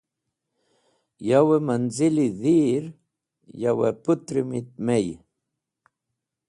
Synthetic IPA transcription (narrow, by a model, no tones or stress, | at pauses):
jawemanziliðiːɾ | jawɛput̪ɾimit̪̚mej